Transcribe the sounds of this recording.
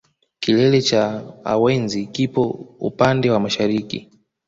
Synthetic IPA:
kilɛlɛt͡ʃaa̰wɛnzikipɔṵpandɛwamaʃaɾikḭ

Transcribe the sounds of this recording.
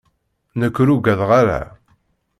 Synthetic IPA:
nəkːɾuɡæðʁaɾæ̰

